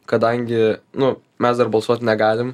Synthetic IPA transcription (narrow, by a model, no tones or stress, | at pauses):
kɐd̪ɐŋʲɡʲɪnʊ | mʲɛsd̪ɐrbɐlˠsuɔt̪ʲnʲɛɡɑːlʲɪm